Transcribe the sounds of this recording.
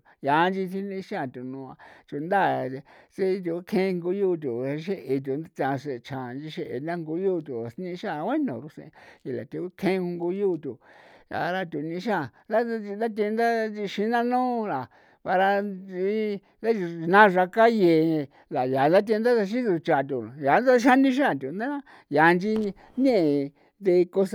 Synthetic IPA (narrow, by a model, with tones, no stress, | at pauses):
ja˨˦nd͡ʒi˧t̪ʰi˧nĩ˧˦ʃã˦˨t̪u˨nũ˧a˧t͡ʃu˧nd̪a˦˨˧t͡ʃe˦˧t̪̬u˧u˦kʰẽ˦˧ŋɡu˧˦ju˦˨t̪̬u˨˧ʃ̬e˦ʔe˧t̪̬u˨n˦t̪ã˧s̬e˨˧t͡ʃʰã˨˧nd͡ʒi˧ʃe˧ʔe˨nã˦˧ŋɡu˧˦juː˦˧t̪u˨snĩ˧ʃã˦˨˧we˦nõ̰˨ɾu˧sḛ̃˧i˨la̰˨t̪u˧u˦kʰẽ˦˧ŋɡu˧˦juː˦˧t̪u˨a̰˧ɾa˧t̪ʲu˨˧nĩ˧˦ʃã˦˨ | d̪a˦i˧nd̪a˦t̪̬ʲẽ˧nd̪a˦d͡ʒi˧ʃi˧˦nã˦nõː˦la˨ | βa˧ɾa˧i˧ | d̪a˦˧nã˦ʒa˧ka˦je˧˨˧ | la˨ja˨nd̪a˦t̪̬ʲːnd̪a˦a˧ʃ̬i˦u˧t͡ʃa˧˨t̪u˨ja˨˦nd̪a˦ʃa˦nĩ˦ʃ̬a˦˨t̪u˨nd̪a˦ | ja˨˧nd͡ʒi˧ | ɲẽ˦ʔe˨ | d̪e˧ko˧s